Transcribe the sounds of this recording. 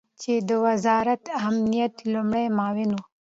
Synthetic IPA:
t͡ʃed̪əwazɑɾat̪amnijat̪lʊmɽajmɑwɪnu

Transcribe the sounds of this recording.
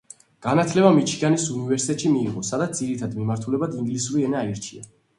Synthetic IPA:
ɡ̥anat̪ʰlɛbamit͡ʃʰianisunivɛɾsi̥t̪ʰɛt̪ʃimiːʁɔsad̪at̪sziɾit̪ʰad̪mimaɾt̪ʰulɛbat̪iŋɡlisuɾiɛnaiɾt͡ʃʰia

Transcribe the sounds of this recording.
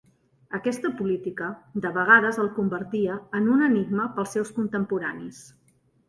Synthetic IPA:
əkɛst̪əpulit̪ikəd̪əβəɣ̞aðəzəlˠkumbəɾt̪iəːnunəniɡ̚məpəlˠsɛwskunt̪əmpuɾanis

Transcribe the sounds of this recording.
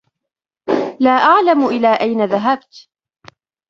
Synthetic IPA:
laːʔaʕlamʊʔɪlaːʔajnaðaɦab̚t̪

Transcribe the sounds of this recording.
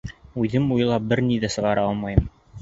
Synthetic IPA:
ʉðɘmuj̆lˠɑp̚bɘɾniðæsɤ̆ʁɑɾɑɑlˠmɑjɤm

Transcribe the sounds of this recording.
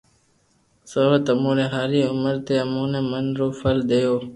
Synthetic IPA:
səwət̪əmuɾeɦaːɾiʊməɾt̪eɐmuːnemənɾoːfəld̪ejoː

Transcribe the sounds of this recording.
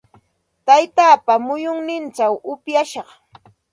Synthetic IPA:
t̪ajt̪aːpamʊjʊŋnɪnt͡ʃawʊpjaʃɑχ

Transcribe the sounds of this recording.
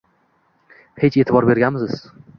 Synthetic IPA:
het͡ʃe̞t̪ɪbɒɾbe̞ɾɡʲanmɪzɪz̥

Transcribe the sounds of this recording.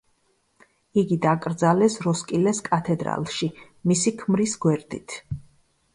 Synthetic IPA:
iɡid̪akʼɾd̪zalɛsɾɔskʼilɛskʼat̪ʰɛd̪ɾa̰lˠʃi | misikʰmɾisɡwɛɾd̪it̪ʰ

